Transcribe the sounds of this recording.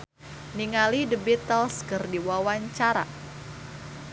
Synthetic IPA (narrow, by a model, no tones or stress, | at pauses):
niŋalidəbit̪əlskɨrdiwawaɲt͡ʃaɾa̰